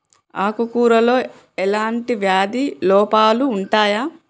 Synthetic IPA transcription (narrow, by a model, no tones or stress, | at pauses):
aːkukuːɾɐlo̞ː | ɛlaːɳʈiʋjaːd̪ilɔːpaːluːɳʈaːjaː